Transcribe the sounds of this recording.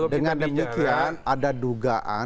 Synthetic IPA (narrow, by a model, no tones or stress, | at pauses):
dəŋandəmikianadaduɡaʔa̰